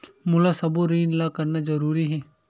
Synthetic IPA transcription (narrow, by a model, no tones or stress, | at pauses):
mʊlasɐboɾiːnlakɐɾnazɐɾuːɾiɦɛː